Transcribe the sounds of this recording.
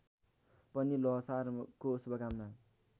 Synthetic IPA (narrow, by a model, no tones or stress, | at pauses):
pʌnilʌɦsarkosubʌɡamna